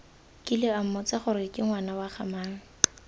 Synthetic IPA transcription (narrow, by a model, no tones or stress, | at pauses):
kʼɪlɪam̩mɔt͡saχʊɾɪkʼɪŋwanawaχamaːŋ̩